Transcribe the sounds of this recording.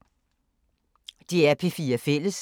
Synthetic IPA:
d̥iæɐpʰe̝fiːɐfel̰əs

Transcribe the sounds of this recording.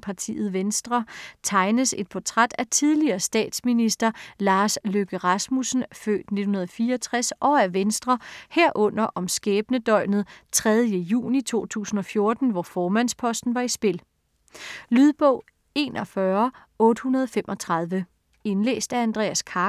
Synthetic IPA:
pʰɑ̈t͡sʰḭːð̩ˠʋensd̥ʁɐt͡sʰɑ̈ɪnəse̝d̥̚pʰɒt͡sʰʁad̥æt͡sʰið̞ˠliɐːsd̥ɛ̰ːd̥sminisd̥ɐlɑ̈ːsløɡ̥əʁɑsmusn̩fø̰ːd̥ned̥n̩hunɐðˠfiːɐɒt͡sʰʁasʔɒ̽æɐʋensd̥ʁɐheɐ̰ʔɔ̽n̰ɐʔɒ̽msɡ̥ɛːb̥nəd̥ɒ̽ɪ̰mð̩ˠt͡sʰʁɛð̞ˠjəjṵːnit͡sʰo̝̰ːt͡sʰṵːsn̩ɒ̽fjo̝ɐd̥n̩ʋɒfɒːmæn̰spʰɒ̽sd̥n̩ʋɑ̈isb̥e̝l | lyðˠb̥ɔʊ̰ | e̝nɒfɶɐ | ɔ̽ːd̥əhunɐðˠɒfemʔɒ̽t͡sʰʁɑð̞ˠʋə | e̝nlḛːsd̥æɐænd̥ʁɛ̰ːæskʰɑ̈ː

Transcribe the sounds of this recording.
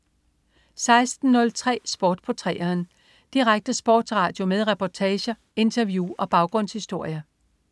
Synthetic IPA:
sɑ̈ɪsd̥n̩ːɔ̽lt͡sʰʁɛ̰ːsb̥oːd̥pʰɒt͡sʰʁɛ̰ːɐːn | d̥iʁaɡ̥̚d̥əsb̥o̰ːd̥sʁɑ̈ːd̥jo̝meðˠʁɛpʰɒt͡sʰɛːɕɐ | e̝nt͡sʰɐʋjuːɒ̽b̥ɑ̈ʊɡ̥ʁɔ̽n̰shisd̥o̝ɐ̰jɐ

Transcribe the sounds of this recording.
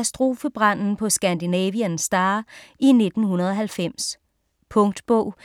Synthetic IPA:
æsd̥ʁo̝ːfəb̥ʁɑn̰n̩pʰɒ̽sɡ̥ænd̥inɛːʋiænsd̥ɑ̈ːʔine̝d̥n̩hunɐð̞ˠɒ̽ɦælfem̰s | pʰɔ̽ŋd̥b̥ɔ̰ʊ̰

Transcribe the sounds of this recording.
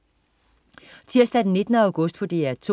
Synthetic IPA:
t͡sʰiɐ̰sd̥æd̥enːe̝d̥ənəäʊɡ̥ɔ̽sd̥pʰɒ̽d̥e̝æɐt͡sʰo

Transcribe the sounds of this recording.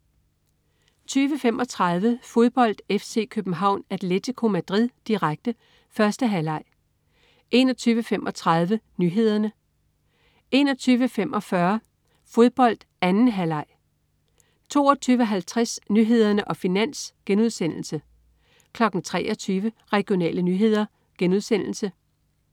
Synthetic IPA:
t͡sʰyːʋəfemʔɒ̽t͡sʰʁɑðˠʋəfo̝ð̞ˠb̥ɒ̽l̰d̥efse̝̰ːkʰøb̥n̩ɦɑ̈ʊ̰næd̥le̝t͡sʰikʰo̝mæd̥ʁið̰ˠd̥iʁaɡ̥̚d̥ə | fɶɐsd̥əɦælɑ̈ɪ̰ | ʔe̝nɒ̽t͡sʰyːʋəfemʔɒ̽t͡sʰʁɑ̈ð̞ˠʋənyɦe̝ð̞̰ˠɐnə | e̝nɒ̽t͡sʰyːʋəfem̰ʔɒ̽fɶɐ | fo̝ð̞ˠb̥ɒ̽l̰d̥ | ænn̩ɦælɑ̈ɪ̰ | t͡sʰo̝̰ːɒt͡sʰyːʋəɦælt͡sʰʁasnyɦe̝ð̞̰ˠɐnəʔɒ̽finæn̰sɡ̥enuð̞ˠsen̰l̩sə | kʰlɒ̽ɡ̥n̩t͡sʰʁɛ̰ːʔɒt͡sʰyːʋə | ʁɛɡ̥jo̝nɛ̰ːlənyɦe̝ð̞̰ˠɐ | ɡ̥enuð̞ˠsen̰l̩sə

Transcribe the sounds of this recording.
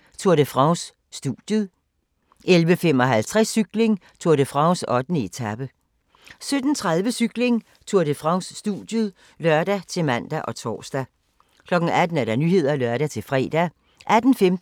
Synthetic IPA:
t͡sʰuɐɾ̥əfʁɑ̈ʊsː | d̥ud̥jəðˠ | elʋəfem̰ɒ̽ɦælt͡sʰʁɛsːyɡ̥le̝ŋ | t͡sʰoɐdəfʁɑ̈ʊsɒ̽d̥n̩əe̝t͡sʰæb̥ə | sød̥n̩t͡sʰʁaðˠʋəsyɡ̥le̝ŋ | t͡sʰuɐd̥əfʁɑ̈ʊsːd̥ṵd̥jəð̩ˠ | lɶɐ̰d̥æt͡sʰe̝mæn̰d̥æʔɒ̽t͡sʰɒ̰ːsd̥æ | kʰlɒ̽ɡ̥n̩æd̥n̩æɐɾɑ̈nyɦe̝ð̰ˠɐlɶɐɾæt͡sʰe̝lfʁɛ̰ːd̥æ | ʔæd̥n̩fem

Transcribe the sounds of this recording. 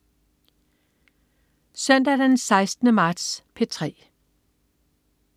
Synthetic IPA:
sœn̰d̥æd̥ensɑ̈ɪsd̥nəmɑ̈ːd̥spʰe̝t͡sʰʁɛ̰ː

